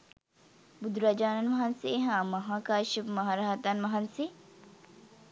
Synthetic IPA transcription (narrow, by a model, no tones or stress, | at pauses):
bud̪ɾɐd͡ʒaːnɐnʋɐɦɐnseːɦaːmɐɦaːkaːʃipmɐɦaːɾaɦɐt̪anʋɐɦɐnse